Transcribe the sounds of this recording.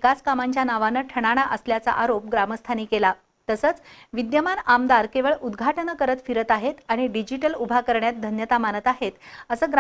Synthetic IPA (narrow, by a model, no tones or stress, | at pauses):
kaskamaɲt͡ɕjanaʋanəʈʰəɽ̃aɽ̃aʔəsljat͡sa̰ʔaɾop̚ɡɾaməst̪ʰaniːkela | t̪əsəːt͡sʋid̪jəmanamd̪aɾkeʋəɭʔud̪ɡʱaʈənəkəɾət̪fiɾət̪aɦet̪aɽ̃iɖid͡ʑiʈəlubʱakəɾɳjat̪̚d̪ʱənjət̪amanət̪aɦet̪əsəːɡ